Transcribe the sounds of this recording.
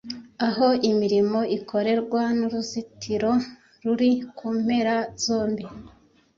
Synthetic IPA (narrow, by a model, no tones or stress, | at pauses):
aɦo̞imiɾimo̞ikʰo̞ɾe̞ɾɡwanuɾuzitʰiɾo̞ | ɾuɾikʰuːm̥he̞ɾazo̞ːmbi